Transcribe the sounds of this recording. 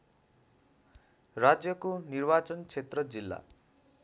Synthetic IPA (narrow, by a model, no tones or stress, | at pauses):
rad͡zjʌkonirbat͡sʌnt͡sʰet̪rʌd͡zilːa̰